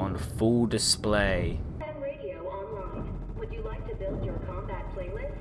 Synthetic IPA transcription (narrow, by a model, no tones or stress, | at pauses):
ə̃nfʊlˠdɨspleɪ | ɨ̃nɹeɪɾioʊɑ̃nlãɪ̃n | wəd͡ʒɨlaɪk̚tʰɨbɪlˠdjə˞kʰɑ̃mbæt̚pʰl̥eɪlɪs